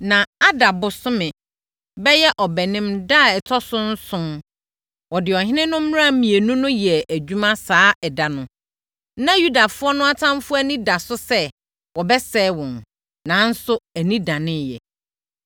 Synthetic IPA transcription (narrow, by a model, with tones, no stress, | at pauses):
nã˨a˦da˨bʊ˨sʊ˦mɪ̃˨ | bɛ˦jɛ˦ʔɔ˨bɛ˨nɪ̃˦mda˦˨ɛ˨tʰɔ˦sʊ̃˦n̩˦sʊ̃˦n | wɔ˨dɪ˨ɔ˨ɦɪ̃˦nɪ̃˦nʊ̃˦m̩˦m̃˦a˦˨mĩ˨e˨nũ˦nʊ̃˦jɛ˨ʔæ˨d͡ʑᶣu˦mã˦saː˦ɛ˨da˨nʊ̃˦ | nã˦ju˦da˨fʊ˦ɔ˦nʊ̃˦a˦tʰã˦mfʊ˦æ˦nĩ˦da˨sʊ˦sɛ˦ | wɔ˨bɛ˦sɛː˦wɔ̃˨n | nã˨˦n̩˦sʊ˦æ˨nĩ˦dã˨nɪ̃˦jɛ̰˨